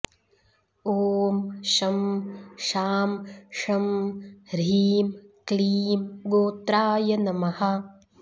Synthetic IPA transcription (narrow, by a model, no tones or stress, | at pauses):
oːmʃɐmʃaːmʃɐmɾiːmkliːmɡoːt̪ɾaːjɐnɐmɐhɐ̆